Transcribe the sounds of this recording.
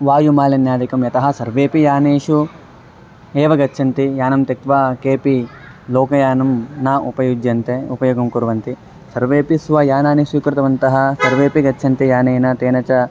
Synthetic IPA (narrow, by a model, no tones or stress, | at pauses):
ʋaːjumaːlɐnjaːd̪ikɐmjɐt̪ɐɦɐ̆sɐɾʋeːpijaːneːʃu | eːʋɐɡɐtːʃʰɐnt̪ijaːnɐmt̪et̪ʋakeːpi | loːkɐjaːnɐmnɐʔupɐjud͡ʒjɐnt̪eupɐjoːɡɐmkuɾʋɐnt̪i | sɐɾʋeːpisʋɐjaːnaːnesuːkɾɪt̪ɐʋɐnt̪ɐɦɐ̆sɐɾʋeːpiɡɐt͡ʃːt͡ʃʰɐnt̪ijaːneːnɐt̪eːnɐt͡ʃɐ